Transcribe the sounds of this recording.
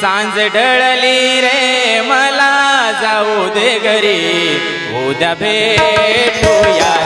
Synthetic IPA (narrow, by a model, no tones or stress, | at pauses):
sãnd͡zɖʱəɭəliɾeməlad͡zaud̪eɡəɾi | ɦod̪jabʱe | ʈʰuja